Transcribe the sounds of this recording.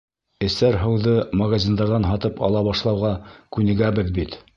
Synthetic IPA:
ɘ̆sæɾɦɤ̆wðɤmɐɣazʲind̪ɑɾðɑnɦɑt̪ɤpɑ̰lˠɑβɑʃlˠɑwʁɑkʉnɘ̆ɡæbɘðbit̪

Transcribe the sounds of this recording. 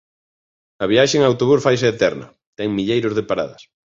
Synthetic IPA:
ɐβiaʃeŋaːwt̪oβ̞usfajseːt̪ɛɾnɐ̰ | t̪ɛŋmiʎejɾozðepaɾa̰ðɐs

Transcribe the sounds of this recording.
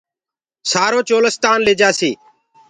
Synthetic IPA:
saːɾoːt͡ʃoːləst̪aːnleːd͡ʒaːsiː

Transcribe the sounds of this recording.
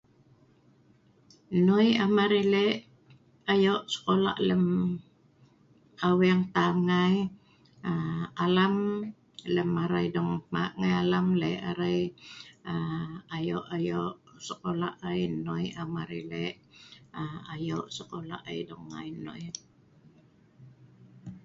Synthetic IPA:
nojamaɾileʔ | ajoʔsə̥kola̰ʔləm | kaweŋt̪aŋaj | aalam | ləmaɾajdoŋmaʔŋajalamleʔa̰ɾaj | aajoʔajoʔsəkola̰ʔajnujamaɾilḛʔ | aajoʔsəkola̰ʔa̰jdoŋːa̰jnʊ̰j

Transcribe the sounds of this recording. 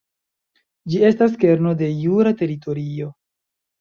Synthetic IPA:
d͡ʒie̞staske̞ɾno̞de̞juɾate̞ɾito̞ɾio̞

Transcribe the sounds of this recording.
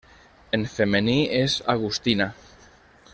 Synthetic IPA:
enfemenieza̰ɣust̪ina

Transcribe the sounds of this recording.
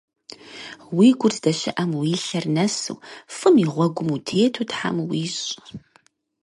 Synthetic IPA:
wiːɡʷʊrtʰd̥ɐʃɐʔɐmwiːɬɐrnɐsɨ̰wfɨmiʁʷɔɡʷʊmutʰeːtʰuːtħa̰mwiːɕʼ

